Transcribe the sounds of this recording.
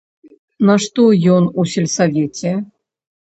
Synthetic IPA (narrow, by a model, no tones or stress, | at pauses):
nɐʂt̪ɔjɔnusʲelʲsavʲet͡sʲɛ